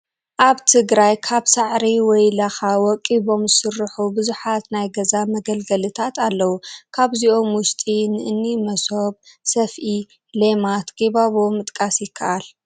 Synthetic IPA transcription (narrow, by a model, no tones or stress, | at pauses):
ʔaβt̪ʰɨɡɾajkʰaβsaʕɾiwɔjlɐxawɔkʼːiβo̞mzɨsɨrːɨħubɨzuħat̪najɡɐzamɐɡɐlɡɐlɨt̪ʰat̪ʰalːɐwukʰaβziʔo̞mwʊʃt̪ʼinɨʔɨnːimɐsobsɐfʔi | lemat̪ɡ̥eβaβomɨt̪ʼkʼasjɪkʰːɐ̰ʔal